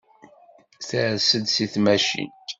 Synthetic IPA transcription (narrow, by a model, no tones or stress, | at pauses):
θæɾsəd̪siθmæʃḭn